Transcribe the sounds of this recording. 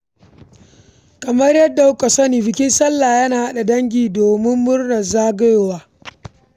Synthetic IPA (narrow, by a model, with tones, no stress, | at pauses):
kɐ˨mɐ˦rjɐ˦dːa˨jʊ˦kɐ˨sɐ˦niː˨bɪ˨kʲɪ˦nsɐ˦lːaː˨jɐ˦naː˨ha˦ɗa˨dɐ˦ŋɡʲiː˨doː˨mɪ˦mːʊ˦rnɐ˨zaː˦ɡɐ˦jwaː˦